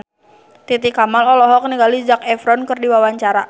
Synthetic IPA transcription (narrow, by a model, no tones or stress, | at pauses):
t̪it̪ikamalɔlɔɦɔkniɡalid͡ʒakɛfɾɔnkərdiwawaɲt͡ʃaɾa